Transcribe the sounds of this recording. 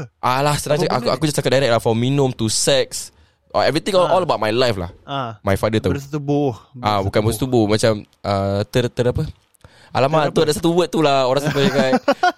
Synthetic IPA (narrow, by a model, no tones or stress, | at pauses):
ʔalahsənaŋaakakud͡ʒast̪akat̚daɾɛk̚lafɔmːinʊ̃mt̪usɛks | ʔɔ̰ɛvɾit̪ĩŋʔɔləbawt̚majlajfla̰hmajfadət̪ast̪uboabukanbost̪ubomat͡ʃamʔət̪ərt̪əɾapə | ʔalamat̪uadasat̪uwət̪ːulahoɾãŋsapəakaj